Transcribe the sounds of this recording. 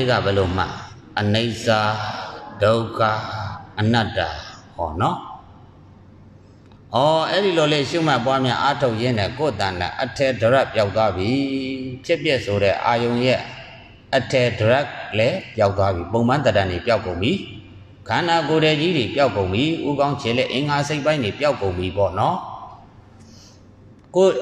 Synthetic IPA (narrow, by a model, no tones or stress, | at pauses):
eɡä̰bɛlom̥a̰ | ʔəneɪʔsad̥oʊkʰa̰ʔən̥atːakʰɔ̰nɔ | ʔɔʔɛɾiloleʃum̥apwamjã̰ʔatʰoʊʔjɪ̃nɛ̰̃koʔət̪ãla̰ʔətʰɛdəɹaʔpjaʊt̪wabjipʰjɪʔpjɛʔsoɾɛ̰ʔajõʊ̃jɛ̰ | ʔətʰɛdəɹaʔlɛpjaʊt̪̬ːwabjipõʊ̃mãnt̪ətãndepjaʊkːõʊ̃mbi | kʰãnakoɾɛd͡ʑidepjaʊkːõʊ̃mbjiʔuɡãʊ̃t͡ɕʰelɛ̰ʔḛ̃ŋaseɪpːãɪ̃ndepjaʊkːõʊ̃mbipɔ̰nɔ | ko